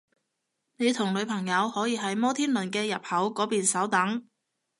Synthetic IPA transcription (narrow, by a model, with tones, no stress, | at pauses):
ne˨˧jt̪ʰʊ˨˩ŋlɵ˨˧ɥpʰɐ˨˩ŋjɐ˨˧whɔː˨˥jiː˨˧ɦɐ˨˥jmɔː˥t̪ʰiː˥nlɵ˨nkɛː˧jɐ˨p̚hɐ˨˥wkɔː˨˧˥piː˨nsɐ˨˥wt̪ɐ˨˥ŋ